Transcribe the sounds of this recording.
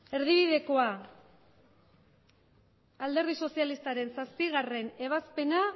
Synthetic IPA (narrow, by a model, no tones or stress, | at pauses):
e̞ɾð̞iβ̞iðe̞ko̞a | ald̪e̞ɾðiso̞sialist̪aɾe̞nsaspiɣare̞ne̞β̞aspe̞na